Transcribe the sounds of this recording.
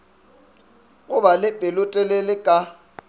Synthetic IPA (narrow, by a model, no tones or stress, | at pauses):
ɣʼʊbalɪbʼʱɪlʊtʼɛlelɪkʼa